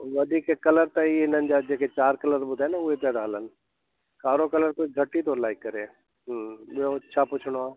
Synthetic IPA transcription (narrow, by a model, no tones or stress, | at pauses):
ʋɐd̪ʱiːkekɐləɾt̪əiɪnənɪ̆d͡ʑaːd͡ʒeːket͡ɕaːɾkələɾɓʊd̪ʱaenaʊɦep̪ed̪ʱaːlənɪ̆ | kaːɾokɐləɾkoɡʱəʈːit̪olaːɪkːəɾeː | ɦɓɪjoɐtːʃʰapʊt͡ʃʰɽ̃oaː